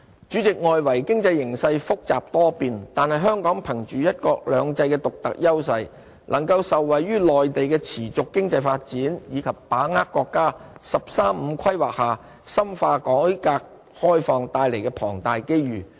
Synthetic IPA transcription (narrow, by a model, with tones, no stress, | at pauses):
t͡ʃyː˨˥t͡sɪ˨k̚ŋɔː˨jwɐ˨˩jkɪ˥ŋt͡sɐ˧jːɪ˨˩ŋsɐ˧jfʊ˥k̚t͡saː˨p̚t̪ɔː˥piː˨nt̪aː˨nhɐ˨jɦœː˥ŋkɔː˨˥ŋpʰɐ˨˩ŋt͡ʃyː˨jɐ˥t̚kɔː˧k̚lœː˨˧ŋt͡sɐ˧jkɛː˧t̪ʊ˨k̚t̪ɐ̰˨k̚jɐ˥wsɐ˧j | lʔɐ˨˩ŋkɐ˧wsɐ˨wːɐ˨jɥyː˥lɔː˨jt̪e˨jkɛː˧t͡sʰiː˨˩t͡sʊ˨kːɪ˥ŋt͡sɐ˧jfaː˧t̚t͡siː˨˥njiː˨˧kʰɐ˨p̚paː˨˥ŋaː˥kːɔː˧kːaː˥sɐ˨p̚saː˥mm̩˨˧kʰɐ˥jwaː˨˩k̚haː˨ | sɐ˥mfaː˧kɔː˨˥jkaː˧k̚ | hɔː˥jfɔː˨˩ŋt̪aː˧jle˨˩jkɛ˧pʰɔː˨˩ŋt̪aː˨jke˥jɥyː˨˩